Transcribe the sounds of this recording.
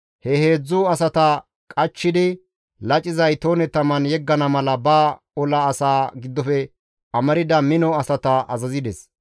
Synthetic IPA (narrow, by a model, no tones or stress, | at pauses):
hɛhe̞ːd͡zːʊɐsɐt̪ɐ | kʼɐt͡ʃːɪd̪ɪ | lɐt͡ʃʼɪzɐjt̪oːnɛt̪ɐmɐnjɛɡːɐnɐmɐlɐbaː | ɔlɐːsaːɡɪd̪ːɔfɛ | ɐmɐɾɪd̪ɐmɪnɔɐsɐt̪ɐʔɐ̰zɐzɪd̪ɛs